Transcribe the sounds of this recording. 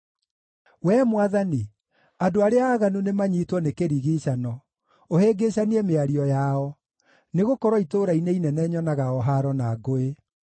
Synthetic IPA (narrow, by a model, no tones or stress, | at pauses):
wɛmwaðani | adoaɾeaːɣanunemaɲitwɔnekeɾiɣiɕanɔ | oheːɡeɕaniɛmeaɾiɔjaɔ | neɣokɔɾwɔitoːɾaineinɛnɛːɲɔnaɣaɔɦaɾɔnaɡoe